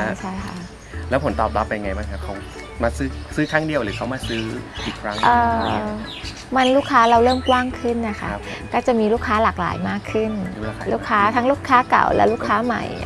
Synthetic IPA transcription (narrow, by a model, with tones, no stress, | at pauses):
t͡ɕʰa˥˩jkʰa̰˦˥ | lɛː˦˥pʰo˩˦nt̪ɔː˨˩p̚la˦˥pːa˧jŋa˧jma˦˥˩nkʰa˧˩kʰa˦˥w | maː˧sɯː˦˥sɯː˦˥kʰaː˥˩ŋdi˧əwɾɯː˨˦kʰa˦˩wmaː˧˩sɯː˦˥ʔʔiː˨˩kʰɾa˦˥ŋʔɤː˨˧˩ | ma˧nluː˥˩kʰːaː˦˥ɾa˧wɾɤː˥˩mkwaː˥˩ŋkʰɯ˥˩nːa˦˧˩kʰa̰˦˥˩ | kɔː˥˩t͡ɕa˨˩miː˧luː˥˩kʰːaː˦˥laː˨˩k̚la̰ː˩˦jmaː˥˩kʰːɯ˥˩n˦˧luː˥˩kʰːaː˦˥t̪ʰa˦˥ŋluː˥˩kʰːaː˦˥ka̰˨˩wlɛ̰˦˥luː˥˩kʰːaː˦˥ma̰˧˩j